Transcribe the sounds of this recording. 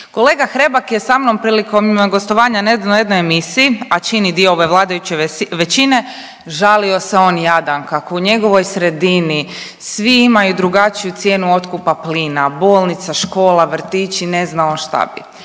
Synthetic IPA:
ko̞lˠe̞ːɡaxɾe̞bakjesamnompɾiːliko̞mɡo̞st̪oʋaːɲaned̪nojed̪nojemisiːat͡ʃinid̪iooʋe̞ʋlˠaːd̪ajut͡ɕeʋe̞t͡ɕine̞ | ʒalio̞seo̞ːnjad̪ankako̞uɲe̞ɡo̞ʋo̞jsɾe̞d̪ini | sʋiimajud̪ɾuɡat͡ʃijut̪sje̞ːnuo̞t̪kupapliːnaboːlˠnit̪saʃko̞ːlaʋr̩t̪iːt͡ʃine̞znaoʃt̪a̰bḭ

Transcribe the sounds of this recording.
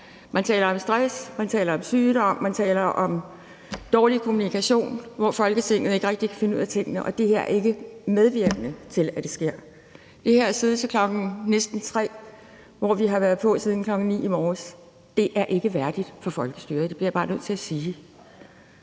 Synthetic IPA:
mænt͡sʰɛ̰ːlɐɒ̽msd̥ʁasmænt͡sʰɛ̰ːlɐɒ̽msyːd̥ɒ̽m̰ːænt͡sʰɛ̰ːlɐʔɒ̽m | d̥ɒːlikʰo̝munikæɕo̝̰ːnʋɒfɒ̽lɡ̥ət͡sʰe̝ŋ̰ð̩ˠeɡ̥əʁɛɡ̥̚d̥ikʰæ̥fe̝nṵð̞̰ˠæt͡sʰe̝ŋ̰ənəʔɒ̽d̥e̝ɦeɐ̰e̝ɡ̥əmeðˠʋiɐɡ̥ənət͡sʰe̝læd̥e̝sɡ̥e̝ɐ̰ | d̥e̝hæɐseːð̞ˠət͡sʰekʰlɒ̽ɡ̥n̩nesd̥n̩t͡sʰʁɛ̰ː | ʋɒʋiɦɑ̈ʋæɐð̞̩ˠpʰɒ̽siːð̞ˠn̩kʰlɒ̽ɡ̥n̩nḭːimɒːs | d̥e̝ʔæɐʔe̝ɡ̥əʋæɐd̥id̥fɒ̽fɒ̽lɡ̥əsd̥yːɐd̥e̝b̥liɐjb̥ɑ̈ːnøð̰ˠt͡sʰe̝æsiː

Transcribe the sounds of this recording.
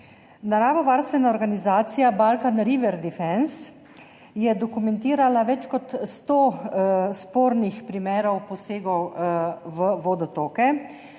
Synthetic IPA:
naɾaːʋɔʋaːɾst̪ʋɛnaɔɾɡanizaːt̪sijabalkanɾiʋɛɾd̪ifɛns | jɛd̪ɔkumɛnt̪iːɾalaʋɛt͡ʃkɔt̪st̪oːspoːɾnixpɾimɛːɾɔwpɔseːɡɔwʋəʋod̪ɔt̪oːkɛ

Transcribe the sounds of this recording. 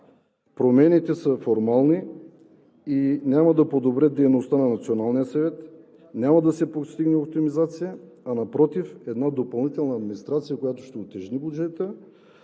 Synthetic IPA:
pɾomɛnit̪ɛsəfoɾmalˠni | inʲamad̪apod̪obɾɛd̪ɛjnost̪ananat̪sionalˠnijət̪sɛvɛt̪ | nʲamad̪asɛpost̪iɡnɛopt̪imizat̪sijaːnapɾɔt̪ifɛd̪nad̪opalˠnit̪ɛlˠnaːd̪minist̪ɾat̪sijakojat̪o̥ʃt̪ɛot̪ɛʒnibud͡ʒɛt̪ə

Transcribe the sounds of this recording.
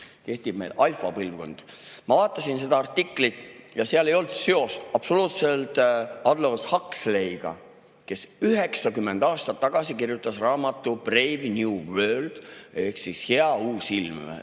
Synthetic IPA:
ke̞ht̪ib̥mejlɑjlfɑpɤlvko̞̰nd̪̥mɑvɑːt̪ˑːɑsinse̞d̪̥ɑɑrt̪ːikˑlit̪ˑjɑseɑlejo̞ld̪̥se̞o̞st̪ɑb̥so̞luːt̪se̞lt̪ɑd̪loshɑkslejɡ̥ɑ̰ | ke̞syɦe̞ksɑkymːe̞nd̪̥ɑːst̪ɑt̪ːɑɡ̥ɑsikirjut̪ːˑɑsrɑːmɑt̪ːˑub̥revnjuːwø̞ːld̪̥e̞hksisheɑuːsilm

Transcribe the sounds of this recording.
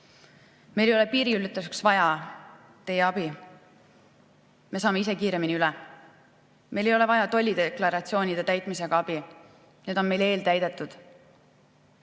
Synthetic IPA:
me̞jlejo̞le̞piːɾiylːt̪ːˑuseksvɑjɑ | t̪e̞jeɑb̥i | me̞s̬ɑːmeis̬e̞kiːɾe̞miniylɛ | me̞jle̞jo̞le̞vɑjɑt̪o̞lʲːid̪eklɑɾɑt̪sio̞ːnʲid̪̥e̞t̪æjt̪ˑmise̞ɡ̥ɑɑb̥i | neːd̪̥o̞nme̞jle̞ːlt̪æjd̪̥e̞t̪ːˑud̪̥

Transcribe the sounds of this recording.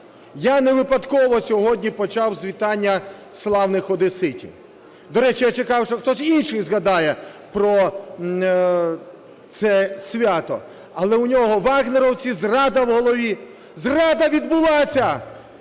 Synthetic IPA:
janeʋɪpɐd̪kɔʋɔsʲɔɦɔdʲnʲipɔt͡ʃɑwzʲʋʲit̪ɑnʲːɐslˠɑwnɪxɔd̪ɪsɪtʲḭ | d̪ɔɾɛt͡ʃɪjat͡ʃɪkɑwʃɔxt̪ɔsʲinʃɪjzɣɐd̪ɑjɛpɾɔ | t̪sɛsʲʋʲat̪ɔ̰ | ɐlˠɛʊnʲɔɦɔʋɑɣneɾɔwt͡sʲizrɑd̪ɐwɦɔlˠɔʋʲi | zrɑd̪ɐʋʲid̪bʊlˠɑsʲɐ

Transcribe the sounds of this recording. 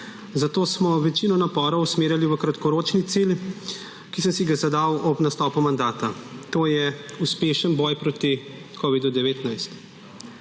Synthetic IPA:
zat̪oːsmɔʋɛt͡ʃinɔnapɔɾɔwsmeːɾjaliʋəkɾat̪kɔɾoːt͡ʃnit̪sil | kisəmsiɡazad̪awɔpnast̪ɔːpumand̪aːt̪at̪oːjɛuspeːʃənbɔjpɾoːt̪i | koːʋid̪ud̪ɛʋeːt̪najst̪

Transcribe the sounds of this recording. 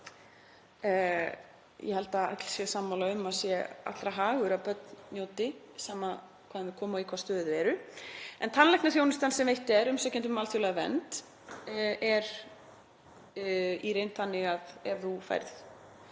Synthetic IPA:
jɛhɛlt̪aa̰k̪l̥sjɛsaːmːawlaʏmːaðsjɛa̰t̪lɾaɦaːɣʏɾapœt̪nnjoːwt̪ɪ | saːma | kʰvaːðanvɪkʰɔːmaikʰvast̪œːðɪðvɛːɾʏɛ̰nt̪ʰanlɛjknaθ̬jownɪst̪ansɛmvejht̪ɛɾʏmsœcɛnt̪ʏmːaːlθjowlaɣvɛ̰nt̪ | ɛɾ | iɾejnt̪θanːɪɣaðɛvθufa̰jɾθ

